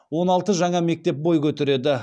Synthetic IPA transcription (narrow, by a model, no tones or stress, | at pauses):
wo̞nɑlˠt̪əʒɑŋɑme̞k̚t̪e̞p̚bo̞jkʲʰɵt̪eɾe̞d̪ɪ